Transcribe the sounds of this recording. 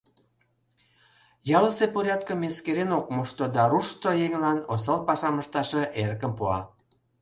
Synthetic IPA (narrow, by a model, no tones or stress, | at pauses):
jɑləsepoɾʲjɑt̪̚kə̆meskeɾenok̚muʃt̪od̪ɑɾuʃt̪ojeŋlɑnosɑlpɑʃɑməʃt̪ɑʃeʔerkəmpuɑ̰